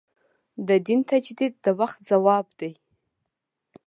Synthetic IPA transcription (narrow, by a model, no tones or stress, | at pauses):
d̪əd̪int̪ʰad͡ʒd̪id̪̚ːəwaχt̪̚zawɑbd̪ej